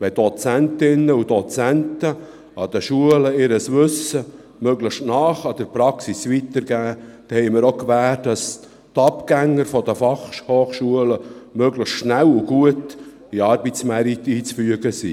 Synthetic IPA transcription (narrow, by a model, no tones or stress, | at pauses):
ʋɛd̥̪ɔt͡sænt̪ɪnəud̥̪ɔt͡sænt̪ə | ʔɑd̪̥əʃuələɪɾəsʋʏsə | møɡləʃtnɑːχɑd̥̪əɾpɾɑksisʋit̪əɾɡæːd̥̪ɛhɛɪməɾokʋæːtdɑs | t̪ɑpɡæŋːəɾfɔd̪əfɑχʃhoːχʃuələmøɡləxtʃnæluɡ̥uət | iɑɾbit͡smɛɾit̪iːt͡sfyəɡəsḭ